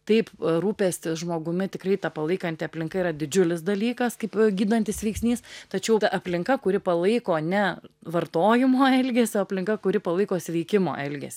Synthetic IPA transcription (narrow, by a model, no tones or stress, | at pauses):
t̪ɐɪpɾuːpʲeːsʲt̪ʲɪsʒmoːɡʊmʲɪt̪ʲɪkɾɐɪt̪ɐpɐlˠɐɪkɐnʲt̪ʲɪɐpʲlʲɪŋkɐiːɾɐd̪ʲɪd͡ʒʲʊlʲɪsd̪ɐlʲiːkɐskɐɪpɡʲiːd̪ɐnʲt̪ʲɪsʋʲɛɪksʲnʲiːst̪ɐt͡ʃʲɛʊt̪ɐʔɐpʲlʲɪŋkɐkʊɾʲɪpɐlˠɐɪkoːnʲɛʋɐrt̪oːjɪmoːɛlʲɡʲeːsʲoːɐpʲlʲɪŋkɐkʊɾʲɪpɐlˠɐɪkoːsʲʋʲɛɪkʲɪmo̰ːʔɛlʲɡʲɛ̰sʲ